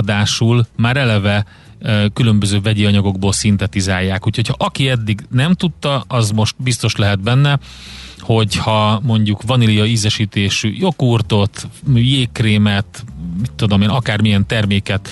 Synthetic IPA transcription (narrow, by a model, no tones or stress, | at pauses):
d̪aːʃulmaːɾɛlɛvɛ | kylømbøzøːvɛɟeːɒɲɒɡo̞ɡ̚boːlsint̪ɛt̪izaːjːaːkuːcho̞chɒʔɒkiɛd̪ːiɡnɛmt̪ut̪ːɒɒzmo̞ʃt̪̚bist̪o̞ʃlɛɦɛd̪̚bɛnːɛ | ho̞chɒmo̞ɲɟukvɒnilijɒyzɛʃiːt̪eːʃy̰jo̞kuːrt̪o̞t̪myjeːkreːmɛt̪mit̪ːod̪o̞meːnɒkaːrmijɛnt̪ɛrmeːkɛt̪